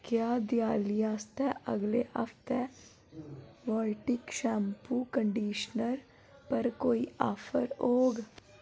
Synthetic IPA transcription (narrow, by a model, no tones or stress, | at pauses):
kjaːd̪ɪjaːlijaːst̪ɛə̰ɡleəft̪ɛ | ʋɔːlʈɪkʃɛ̃ːmpuːkəɳɖiːʃnəɾ | pəɾkoːiʔaːfʰəɾoːɡ